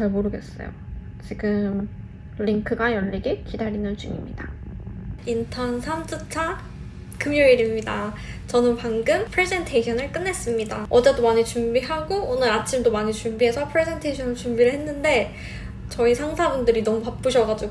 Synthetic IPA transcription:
t͡ɕaɭmoɾɯɡe̞s͈ʌ̰jo̰ | t͡ɕiɡɯm | ʎiŋkʰɯɡajʌʎːiɡekidaɾinɯnt͡ɕumḭmɲḭda | intʰʌnsʰams͈ʰɯt͡ɕʰa | kɯmjoiɾimɲida | t͡ɕʌnɯnpaŋɡɯmpʰɾesʰe̞ntʰeiɕʰʌnɯɭk͈ɯnːe̞s͈ɯmɲidaʌd͡ʑet͈omaɲit͡ɕumbiɦaɡoonɯɾat͡ɕʰimdomaɲit͡ɕumbiɦe̞sʰʌpʰɯɾe̞sʰe̞ntʰeɕʰʌnɯɭt͡ɕumbiɾɯɭɦe̞nːɯnde̞ | t͡ɕʌisʰaŋsʰabundɯɾinʌmupap͈ɯɕʰʌɡad͡ʑi

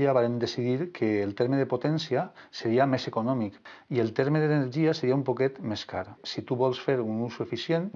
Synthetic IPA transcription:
iaβaɾemd̪esiðiɾkʰeːlˠt̪eɾmeðepot̪ɛnsiaseɾiamesekunɔmikielˠt̪eɾmeðeneɾʒiaseɾiaumpokɛt̪meska̰ɾsit̪uβɔlˠsfeɾunusuefisjen

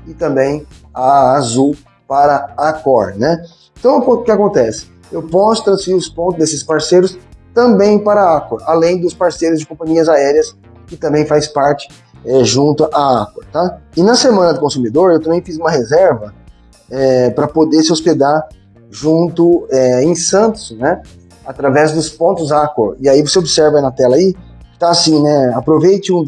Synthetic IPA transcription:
ɪt̪ɐ̃mbẽj̃ɐːzu | paɾɐakɔɾnɛ | ẽt̪ɐ̃w̃kʊkɪakõnt̪ɛsɪ̥ | ewpɔsʊ̥t̪ɾɐ̃sfiɾiɾʊspõnt̪ʊd̪esɪspaɾsejɾʊst̪ɐ̃mbẽj̃paɾɐaakoɾalẽj̃d̪ʊspaɾsejɾʊzd͡ʒɪkõpɐ̃ɲiɐzaɛɾiɐs | kɪt̪ɐ̃mbẽj̃fajspaɾt͡ʃɪ̥ | ɛʒũnt̪ʊʔaakɐɾt̪aɪnɐsemɐ̃nɐd̪ʊkõsumid̪oɾewt̪ɐ̃mbẽj̃fizũmɐɦezɛɾvɐ | ɛpɾɐpod̪esɪosped̪aɾ | ʒũnt̪ʊɛẽj̃sɐ̃t̪ʊ̥snɛ | at̪ɾavɛzd̪ʊspõnt̪ʊzako̰ɾɪaivoseobɪsɛɾvɐinɐt̪ɛlɐai | kɪ̥t̪aːsĩnɛapɾovejt͡ʃɪũ

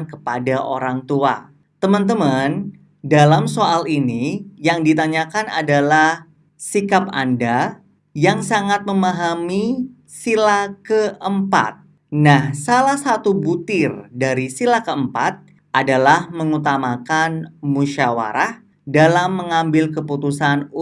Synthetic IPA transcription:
nkəpadaʔo̰ɾaŋt̪ua̰ | t̪əmənt̪əman | dalamsoʔalinijaŋdit̪aɲakana̰dalah | sikap̚a̰nda | jaŋsaŋat̪̚məmaɦami | silakəʔəmpa̰t̪̚ | nahsalahsat̪ubut̪ɪrdaɾisilakəəmpa̰t̪̚ | ʔadalahməŋut̪amakanmuʃawa̰ɾah | dalamːəŋambɪlkəput̪usanu

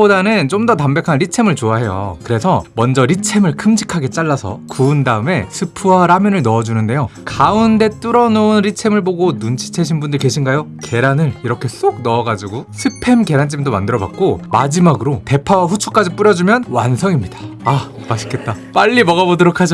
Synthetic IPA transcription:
odanɯnt͡ɕomdʌtambe̞kʰanɾit͡ɕʰe̞mɯɭt͡ɕoaɦe̞jo̰kɯɾe̞sʰʌmʌnd͡ʑʌɾit͡ɕʰe̞mɯɭkʰɯmd͡ʑikʰaɡe̞t͡ɕ͈aɭːasʰʌkuːndaɯme̞sʰɯpʰuwaɾamjʌnɯɭnʌːd͡ʑunɯnde̞jokaunde̞t͈ɯɾʌnounɾit͡ɕʰe̞mɯɭboɡonunt͡ɕʰi̥t͡ɕʰeɕʰinbundɯɭke̞ɕʰinɡajoke̞ɾanɯɭiɾʌkʰe̞s͈oɡ̚nʌːɡad͡ʑiɡosʰɯpʰe̞mke̞ɾant͡ɕ͈imdomandɯɾʌba̰k̚k͈omad͡ʑimaɡɯɾote̞pʰawaɸut͡ɕʰuk͈ad͡ʑip͈uɾjʌd͡ʑumjʌnwansʰʌŋimɲidḁa | maɕʰi̥k͈e̞t̚t͈ap͈aʎːimʌɡabodɯɾokʰad͡ʑo

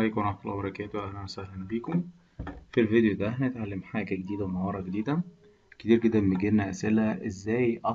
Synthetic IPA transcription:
lajkænaħfɑlʔbɑɾˤɑkæːt̪oʔæhnæwæsæhlænbiːkom | filvid̪ejod̪ææhænæet̪ʕalːemħaːɡæɡed̪iːd̪æwmɑwɑːɾˤɑɡed̪iːd̪æ | ket̪iːɾɡed̪ːænmeɡenːæʔæsʔelæʔezːæːjʔɑ

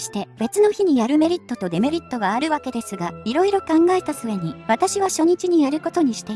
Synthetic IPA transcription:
ɕi̥t̪e̞be̞t͡sɨno̞çiɲ̟ijaɾɯ̟me̞ɾʲit̪ːo̞t̪o̞d̪e̞me̞ɾʲit̪ːo̞ɡaːɾɯ̟βake̞d̪e̞sɨɡaiɾo̞iɾo̞kãŋɡae̞t̪asɨβe̞ɲ̟iβat̪aɕiβ̞aɕo̞ɲ̟it͡ɕiɲ̟ijaɾɯ̟ko̞t̪o̞ɲ̟iɕi̥t̪e

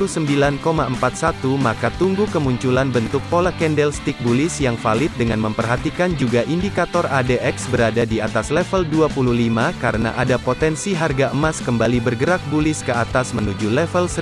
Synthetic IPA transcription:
usəmbilankomaʔəmpat̪̚sat̪umakat̪uŋɡukəmuɲt͡ʃulanbənt̪ʊk̚polakɛndɛlst̪ɪk̚bulɪsjaŋfalɪt̪̚dəŋanməmpərɦat̪ikand͡ʒuɡaʔindikat̪ɔradeʔɛksbəɾadadiat̪aslɛfəlduapuluhlimaka̰ɾəna̰ʔadapot̪ɛnsiɦarɡaʔəmaskəmbalibərɡəɾak̚bulɪskəat̪asmənud͡ʒulɛfəlsə

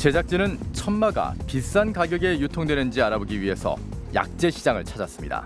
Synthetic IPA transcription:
t͡ɕe̞d͡ʑak̚t͡ɕ͈inɯnt͡ɕʰʌnmaɡa̰pis͈ankaɡjʌɡe̞jutʰoŋdwe̞nɯnd͡ʑiaɾaboɡiɥiɦe̞sʰʌ̰ | ja̰k̚t͡ɕ͈e̞ɕʰid͡ʑaŋɯ̰ɭt͡ɕʰad͡ʑas͈ɯmɲida̰

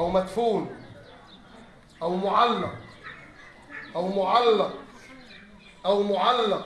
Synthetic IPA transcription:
ʔawmat̪fuːl | ʔawmʊʕalːɑq | ʔawmʊʕalːɑq | ʔawmʊʕalːɑq

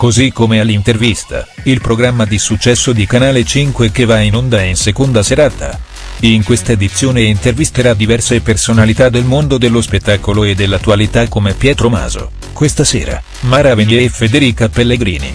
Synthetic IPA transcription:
kozikːomealːint̪ervist̪ʰa̰ | ilpɾoɡɾamːad̪isut͡ʃːɛsːod̪ikanaːlet͡ʃiŋkwekevainond̪ainsekond̪aseɾaːt̪a̰ | iŋkwest̪aed̪it̪sjoːneint̪ervist̪eɾad̪ivɛrsepersonalit̪ad̪ːelmond̪od̪elːospet̪ːaːkoloed̪ːelːat̪ːualit̪akːomepjɛːt̪ɾoma̰ːzo̰ | kwest̪asḛːɾa̰ | maːɾaveniɾefed̪eɾiːkapelːeɡɾḭːnḭ

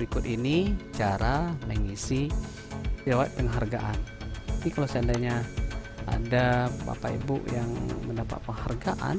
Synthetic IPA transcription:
əɾikʊt̪init͡ʃaɾaləŋisi | d͡ʒawat̪̚pəŋɦarɡaʔanapikalawsandaɲa | a̰dapa̰paḭbʊ̰ʔjaŋməndapa̰t̪̚pəŋharɡaʔa̰n

